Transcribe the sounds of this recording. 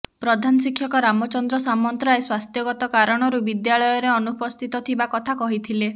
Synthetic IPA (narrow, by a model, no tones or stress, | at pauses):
pɾɔd̪ʱanɔsikʰjɔkɔɾamɔt͡ʃɔnd̪ɾɔsamɔnt̪ɾaeswast̪ʰjɔɡɔt̪ɔkaɾɔɽ̃ɔɾubid̪jaɭɔjɔɾeɔnupɔst̪ʰit̪ɔt̪ʰibakɔt̪ʰakɔɦit̪ʰile